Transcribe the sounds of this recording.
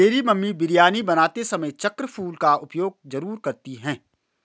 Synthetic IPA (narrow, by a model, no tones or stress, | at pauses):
eːɾimɐmːibɪɾjaːnibɐnaːt̪esɐməjt͡ʃɐkɾəpʰuːlkaʊpjoːɡ̚zɐɾuːɾkɐɾt̪iɦɛ̃ː